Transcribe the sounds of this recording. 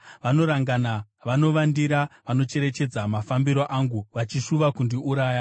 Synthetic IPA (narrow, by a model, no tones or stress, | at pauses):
ʋano̞ɾaŋɡanaʋano̞ʋandiɾaʋano̞t͡ʃe̞ɾe̞t͡ʃe̞d͡zamafambiɾoʔaŋɡuʋat͡ʃiʂuʋakundiuɾaːja